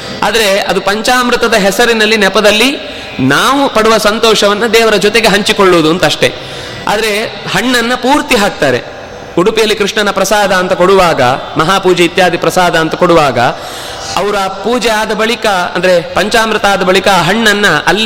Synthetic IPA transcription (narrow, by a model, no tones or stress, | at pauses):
a̰ːd̪ɐɾe̞ɐd̪upɐɲt͡ʃaːmɾɨt̪ɐd̪ɐɦɛsɐɾinɐlːinɛpɐd̪ɐlːi | naːʋupɐɽuʋɐsɐnt̪ɔːʂɐʋɐnːɐd̪ɛːʋɐɾɐd͡ʒɔt̪eɡe̞ɦɐɲt͡ʃikoɭːuʋud̪uɐnt̪ɐʂʈe̞ | a̰ːd̪ɐɾe̞ | hɐɳːɐnːɐpuːɾt̪iɦaːk̚t̪aːɾḛ | uɽupijɐlːikɾiʂɳɐnɐpɾɐsaːd̪ɐːnt̪ɐkoɽuʋaːɡɐ̰mɐɦaːpuːd͡ʒeit̪jaːd̪ʱipɾɐsaːd̪ɐːnt̪ɐkoɽuʋaːɡɐ̰ | ɐʋɐɾaːpuːd͡ʒɛjaːd̪ɐbɐɭikɐɐ̰nd̪ɐɾe̞pɐɲt͡ʃaːmɾɨt̪aːd̪ɐbɐɭikɐːɦɐɳːɐnːɐʔɐlː